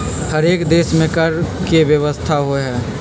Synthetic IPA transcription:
həɾeːkd̪eːsmẽkəɾ | keʋjəʋəst̪ʰaɦoɦɛː

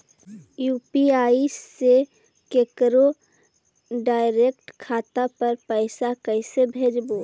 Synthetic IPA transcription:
juːpiaːise | keːkɾo | ɖaːɪɾekʈkʰaːt̪apəɾpəɪsakəɪsebʱeːd͡ʒbo

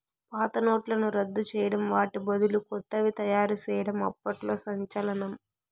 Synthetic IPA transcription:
paːt̪ɐno̞ːʈlɐnuɾɐd̪ːut͡ʃɛːjɐɽɐmʋaːʈibɐd̪ulukɔt̪ːɐʋit̪ɐjaːɾut͡ʃɛːjɐɽɐmɐ̰pːɐʈlo̞ːsɐɲt͡ʃɐlɐnɐm

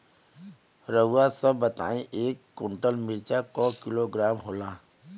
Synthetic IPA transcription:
ɾəasəbːət̪a̰ːĩʔeːkːʊ̃ɳʈəlmɪɾt͡ʃakɔkɪloɡɾaːmɦoːlaː

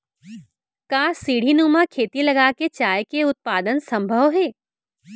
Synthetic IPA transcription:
kaːsiːɽ̤inuːmakʰeːt̪ilɐɡaːket͡ʃaːjkeʊt̪̚paːd̪ənsɐ̃mbʱəʋɦɛː

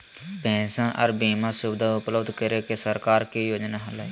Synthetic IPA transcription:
bɛ̃ːsənʔə̰ɾbiːmãːsʊbd̪ʱaʊpləbd̪kəɾeːkesəɾkaːɾkiːjoːd͡ʒnaːɦəla

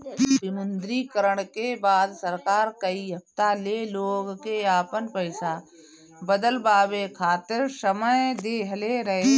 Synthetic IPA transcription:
bɪmʊnd̪ɾikəɾəɽ̃kebaːd̪səɾkaːɾkəiɦɐft̪aleloːɡkeaːpənpəɪsa | bəd̪əlbaːbekʰaːt̪ɪɾsəməjd̪eːɦəleɾɐɦe

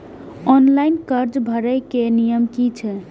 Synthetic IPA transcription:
ɔnlajnkəɾd͡ʒbʱəɾəjkenijəmkit͡ʃʰɛ

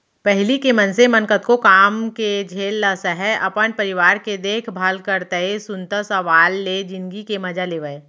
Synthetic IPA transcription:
pɛɦlikemɐnsemɐnkət̪kokaːmked͡ʒʱeːlːasəɦɛʔɐpənpɐɾɪʋaːɾked̪eːkʰbʱaːlkəɾt̪əesʊnt̪asɐʋaːlːed͡ʒɪnɡikemɐd͡ʒaleːʋəe

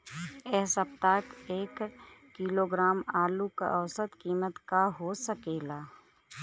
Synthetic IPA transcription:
ɛːsəpt̪akeːkkːiːloːɡɾaːmaːluka̰ʔəwsət̪kiːmət̪kaɦosəkeːlaː

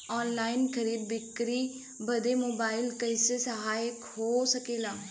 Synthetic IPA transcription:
ɔːnlaːɪnkʰəɾiːd̪̚bɪkɾiː | bəd̪eːmoːbaːɪlkəɪseːsəɦaːɪkhoːsəkeːlaː

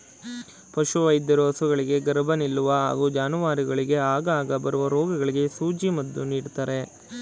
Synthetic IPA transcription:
pɐʃuʋɐjd̪ːɐɾuɐsuɡɐɭiɡe̞ɡɐɾbʱɐnilːuʋɐɦa̰ːɡuːd͡ʒaːnuʋaːɾiɡɐɭiɡe̞aːɡɐaːɡɐbɐɾuʋɐɾoːɡɐɡɐɭiɡe̞suːd͡ʒimɐd̪ːuniːɽt̪aːɾe̞

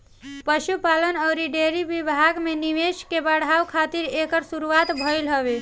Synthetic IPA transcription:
pəʃupalənəʊɾiɖeɾibibʱaɡmeniʋeʃkebəɽ̤ʱawkʰat̪iɾekəɾsuɾuat̪bʱəjlɦəbe

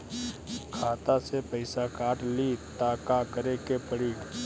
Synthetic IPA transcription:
kʰaːt̪asepəɪsakaːʈlit̪aːkakəɾekepəɽiː

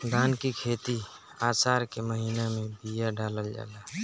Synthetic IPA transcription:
d̪aːnkikʰeːt̪i | aːsaːɾkeməɦiːnamẽbijaɖaːləld͡ʒa̰ːla

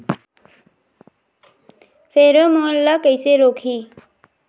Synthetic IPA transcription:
pʰeɾomʌlːʌkəjseɾokʰi

